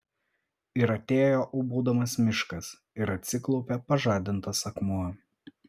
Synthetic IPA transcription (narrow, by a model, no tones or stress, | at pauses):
ɪɾɐt̪ʲeːjoːʔʊbuːd̪ɐmɐsmʲɪʃkɐs | ɪɾɐt̪ʲsʲɪklˠɔʊpʲɛpɐʒɑːd̪ʲɪnt̪ɐsɐkmuɐ